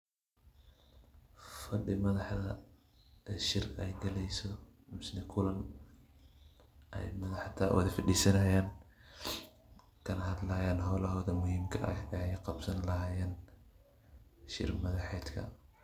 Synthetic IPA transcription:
fɐɗɪmɐðɐħðɐ | ʃɪɾɐjɡɐlɛjsɔmɪsnɪkʰʊlɐn | ʔɐ̰jmɐðɐħt̪ʰɐwʔɐ̰ðɐfɪɗisɐnɐjan | kʰɐnɐhɐd̪lɐjanɦɔlɐhɔd̪ɐmʊhiːmkʰɐɐ̰ɐjqɐbsɐnlɐɦaːjan | ʃɪ̰ɾmɐðɐħɛt̪kʰɐ̰

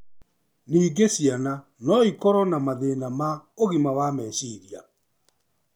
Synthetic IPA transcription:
niːɡesiana | nɔikɔɾɔnamaðenamaoɣimawamɛɕiɾia̰

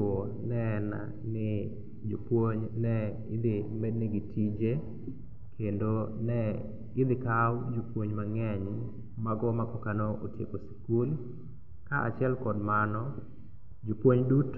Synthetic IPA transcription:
o | nɛna̰ | nɪ | d͡ʒopwoɲnɛ | ɪd̪ɪmednɪɡɪtʰid͡ʒe | kʰendonɛ | ɪd̪ɪkawd͡ʒopwoɲmaŋɛɲ | maɡɔmakɔkanoʔotekosi̥kul | kaʔa̰t͡ʃɛlkɔdmanɔ | d͡ʒopwoɲdut

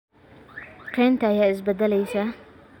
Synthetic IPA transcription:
qʰeːnt̪ʰɐːjaːɪs̬bɐd̪ɐlɛjsɐ

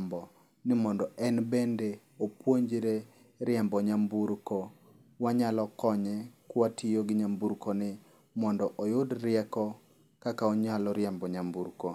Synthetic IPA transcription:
mbɔ | nɪmɔndɔʔɛnbende | opwoɲd͡ʒɾe | ɾɪɛmbɔɲambuɾkɔ | waɲalɔkɔɲɛkwatʰɪjoɡɪɲambuɾkɔnɪ | mɔndɔʔɔjʊdɾɪɛkɔ | kakaɔɲalɔɾjɛmbɔɲambuɾko

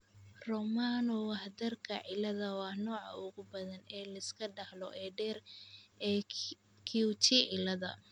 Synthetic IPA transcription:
rɔmanɔwɑħd̪ɐrkʰɐ̰ʕɪlɐðɐwɑːnɔːʕɑ̰ʊɣʊbɐðɐnɛːlɐɪskʰɐɖɐhlɔʔɛːɖɛːr | kʰut͡ʃiɪlɐðɐ̰

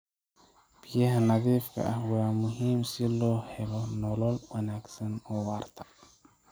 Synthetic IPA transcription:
b̥ɪjɐɦɐnɐðiːfkʰɐ̰ʔɐhwaːmʊɦiːmsɪlɔːhɛlɔnɔlɔlwɐnaːɡsɐnɔːwaːrt̪ʰɐ̥

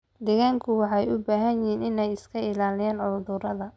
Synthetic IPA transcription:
d̪ɛɣaːŋkʰʊwɑħɛjʊbaːɦɐnjɪɦiːnɪnɛjɪskʰɐɪlaːlɪjaːnʕʊld̪ʊɾɐðɐ

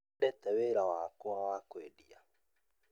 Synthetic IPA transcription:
ɗɛt̪ɛweɾawakuawakweɗia̰

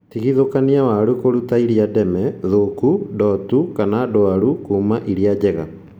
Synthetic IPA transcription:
tiɣiðokaniawaɾukoɾutaiɾiadɛmɛðokudɔtukanadoaɾukuːmaʔiɾiad͡ʑɛɣa̰

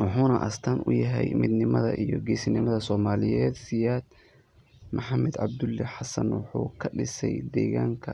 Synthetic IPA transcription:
wʊħuːnɐʔɐst̪ʰɐnʔʊjɐɦɛ̰jmɪd̪nɪmɐðɐʔijɔɡɛːsɪnɪmɐðɐsɔːmaːlɪjɛːd̪sɪjaːd̪ | mʊħɑmɛd̪ʕɑ̰b̚d̪ʊlːɛħɑsɐnwʊħuːkʰɐɖɪsɛjd̪ɛːɣaːŋkʰɐ

